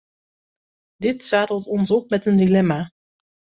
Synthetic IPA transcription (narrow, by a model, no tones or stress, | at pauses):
dɪtsaːtəlˠtɔnsɔp̚mɛtəndilɛma